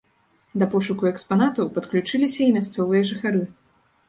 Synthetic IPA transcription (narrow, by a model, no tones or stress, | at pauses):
d̪ɐpɔʂukuɛkspanat̪ɐwpɐt̪klʲut͡ʂɨlʲisʲɐimʲast̪sɔvɨjɐʐɨxaɾɨ